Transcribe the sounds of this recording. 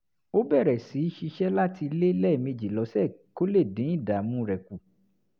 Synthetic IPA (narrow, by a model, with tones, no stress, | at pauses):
o˦bɛ˦˨ɾɛ˨si˨˦i˦ʃi˧ʃɛ˦la˦ti˧le˦lɛ˦˨me˧d͡ʒi˨lɔ˨˦sɛ˦˨ko˦le˦˨dĩ˨˦ĩ˦˨da˨˦mũ˦ɾɛ˨ku˨